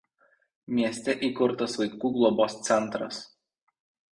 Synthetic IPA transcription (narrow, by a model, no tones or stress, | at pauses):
mʲiɛsʲt̪ʲɛʔikʊɾt̪ɐsʋɐɪkuːɡlˠɔboːst̪sʲɛnt̪ɾɐ̰s